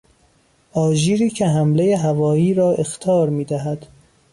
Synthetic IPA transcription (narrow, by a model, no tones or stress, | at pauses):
ɒːʒiːɾiːcʰeɦæmlejeɦævɒːiːɾɒːʔe̞xt̪ʰɒːɾmiːd̪æɦæd̪̥